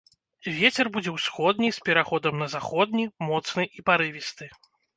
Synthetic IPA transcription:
vʲet͡sʲɛrbud͡zʲɛwsxɔd̪̚nʲispʲɛɾaxɔd̪ɐmnɐzaxɔd̪̚nʲimɔt̪snɨʔipaɾɨvʲist̪ɨ

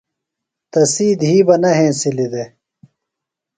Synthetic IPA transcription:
t̪ɐsiːd̪ɦiːbɐnɐɦẽːsilid̪e

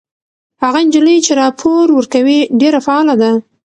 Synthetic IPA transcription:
haɣaɪnd͡ʒiləjt͡ʃeɾɑpʰoɾwəɾkawiɖeɾafaɑlad̪a

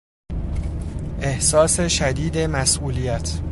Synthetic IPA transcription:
ʔe̞hsɒːse̞ʃæd̪iːd̪e̞mæsʔuːlijæt̪ʰ

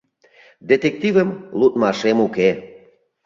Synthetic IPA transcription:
d̪et̪ek̚t̪ivəmlut̪mɑʃemuke

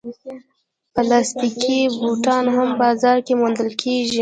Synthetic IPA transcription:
pəlɑst̪ikivuʈɑnhambɑzɑɾkemund̪əlkʰeʒi

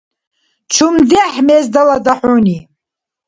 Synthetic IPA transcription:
t͡ʃʰumd̪ɛħmɛzd̪ɐlad̪aħuːni

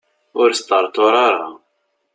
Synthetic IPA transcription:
ʊɾst̪əɾˤt̪ʊɾˤɑɾˤa̰

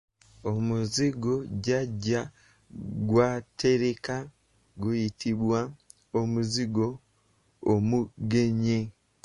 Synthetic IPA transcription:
omuziɡoɟaɟa | ɡwatʰeɾeka | ɡujitiβwa | omuziɡoː | muɡeɲe

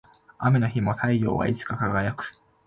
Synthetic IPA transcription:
a̰meno̞çimo̞t̪ʰaijo̞̰ːβa̰ʔit͡sɨ̥kakaɡajakɯ̟̥

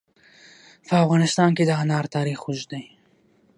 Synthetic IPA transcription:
pʰəafɣɑːnɪst̪ɑnked̪əɦanɑɾt̪ɑːɾixuʒd̪aj

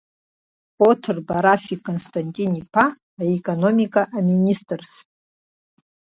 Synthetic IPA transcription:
potʰɨrbaɾafikʼonstʰʼantʼinipʰaː | ekʼono̞mikʼaʔaministʼrs

